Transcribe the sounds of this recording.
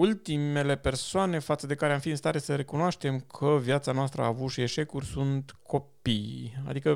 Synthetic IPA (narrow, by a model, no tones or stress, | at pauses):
ult̪ime̞le̞pe̞rsoane̞fat̪səd̪e̞kaɾeamfiɨnst̪aɾe̞səɾe̞kunoaʃt̪e̞mkʰəvjat̪sanoast̪ɾəaːvut̪ʃie̞ʃe̞kurʲsunt̪kʰo̞pija̰d̪ikə